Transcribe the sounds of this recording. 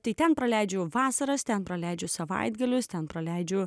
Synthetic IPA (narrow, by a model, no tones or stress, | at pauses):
t̪ɐɪt̪ʲɛnpɾɐlʲɛɪd͡ʒʲʊʋɑːsɐɾɐst̪ʲɛnpɾɐlʲɛɪd͡ʒʲʊsɐʋɐ̰ɪd̪ɡɐlʲʊst̪ʲɛnpɾɐlʲæɪd͡ʒʲʊ